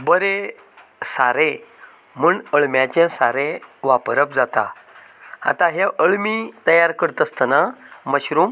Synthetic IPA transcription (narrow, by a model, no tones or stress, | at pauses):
bəɾe | saɾẽ | muːɳəɭmjat͡ɕɛ̃saɾẽʋapɾəp̚d͡zat̪a̰ | a̰t̪ãɦɛʔəɭmit̪əjaɾkəɽt̪əst̪ənaməɕɾũŋ